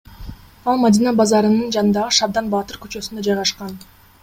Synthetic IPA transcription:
ɑlˠmad̪ʲinɑbɑzɑɾɯnɯnd͡ʒɑnɯnd̪ɑʁɯʃɑbd̪ɑnbɑt̪ɯɾky̥t͡ʃø̞synd̪ød͡ʒɑjʁɑʃqɑn

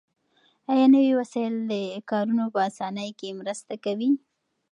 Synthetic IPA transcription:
ajɑnəwiwasɑjɪld̪əkɑɾunopəasɑnəjkemɾəst̪akawi

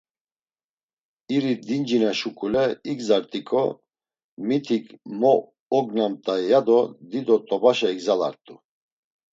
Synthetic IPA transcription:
iɾid̪ind͡ʒinaʃukʼulɛiɡzaɾt̪ʼikʼɔ | mit̪ʰikʼmɔː | ɡnamt̪ʼajad̪ɔd̪id̪ɔt̪ʼɔbaʃaiɡzala̰ɾt̪ʼu

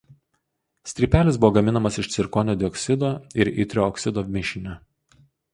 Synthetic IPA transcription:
sʲt̪ʲɾʲiːpʲæːlʲɪsbʊʋɔːɡɐmʲɪnɐmɐsɪʃt̪ʲɪɾkoːnʲoːd̪ʲɪɔksʲɪd̪oːɪɾḭt̪ʲɾʲoɔksʲɪd̪oːmʲɪʃʲɪnʲɛ

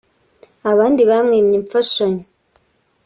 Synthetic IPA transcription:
aβaːndiβamŋeːmɲiɱfaʃoɲi

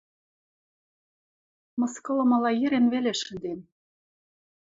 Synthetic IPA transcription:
mɤ̆skɤ̆lɤ̆mɑlɑjɘ̆ɾenβeleʃɘ̆nd̪em

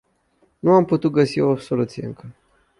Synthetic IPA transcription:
nuamput̪ut̪̚ɡəsio̞so̞lut̪sijeɨ̰ŋkə

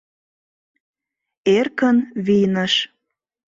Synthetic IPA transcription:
erkənβijnəʃ

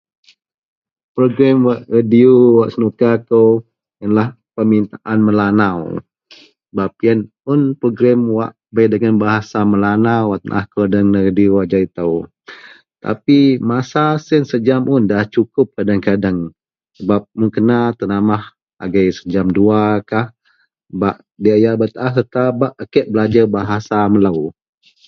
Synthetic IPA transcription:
pɾoɡɾɛmwaʔradiuwaʔsənukakə | jənlah | pəmint̪aʔanməlanaw | səbap̚jən | ʊnpɾoɡɾɛmwaʔ | bəjdəɡanbaɦasaməlanawaʔt̪ənʔa̰hkodəŋnəɾadiuwaʔd͡ʒait̪əw | t̪a̰pimasasənsəd͡ʒamʔʊndaht͡ʃukʊp̚kadaŋkadaŋ | səbap̚muŋkənat̪ənamah | a̰ɡajsə̥d͡ʒamduakah | baʔ | diajabət̪aʔahsət̪abaʔəkɛʔ̚bəlad͡ʒəbaɦasaməlaw

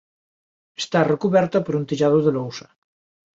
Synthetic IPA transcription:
est̪arekuβɛɾt̪ɐpoɾunt̪iʎað̞oðelowsɐ̥

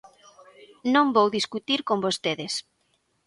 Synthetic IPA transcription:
nõŋbowðiskut̪iɾkombost̪eðes

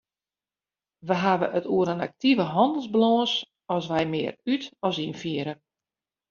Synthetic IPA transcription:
ʋəɦaʋəʔətuəɾəna̰k̚tivəɦɔndəl̩ˠzbəloːns | ɔsʋɛjmɪərytɔsinfiəɾə

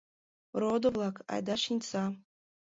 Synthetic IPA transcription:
rod̪ovlˠakʰa̰jd̪aʂinʲt͡sʰa

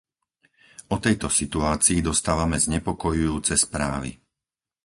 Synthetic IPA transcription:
ɔt̪ɛjt̪ɔsit̪uaːt͡siːd̪ɔst̪aːʋamɛzɲɛpɔkɔjujuːt͡sɛspɾa̰ːʋḭ

